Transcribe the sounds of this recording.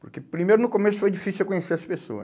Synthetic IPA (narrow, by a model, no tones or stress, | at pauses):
pʊɾkepɾimejɾʊnʊkomesʊ̥fojd͡ʒifisuewkõɲeseɐsɐspeso̰ɐ̰